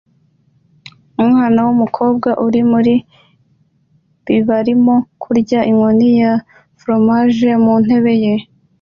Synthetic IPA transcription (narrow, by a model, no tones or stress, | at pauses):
umŋaːnawumukʰo̞ːbɡaʔuɾimuɾi | b̥iβaɾimokʰuɾɟaʔiŋwonija | fɾo̞maʒe̞mun̥he̞βe̞je̞